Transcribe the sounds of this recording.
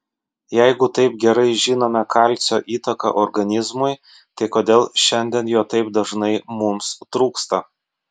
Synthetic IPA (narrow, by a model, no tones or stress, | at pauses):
jæɪɡʊt̪ɐɪp̚ɡʲɛɾɐɪʒʲiːnoːmʲɛkʰɑlʲˑt̪sʲoːʔiːt̪ɐkɐ̰ʔɔɾɡɐnʲɪzmʊɪ | t̪ɐɪkoːd̪ʲeːlˠʃʲɛnʲd̪ʲɛnjoːt̪ɐɪpd̪ɐʒnɐɪmʊmst̪ɾuːkst̪ɐ